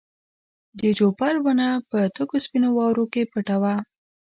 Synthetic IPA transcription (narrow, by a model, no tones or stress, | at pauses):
d̪əd͡ʒopaɾwənapət̪əkospinowɑwɾokepəʈawa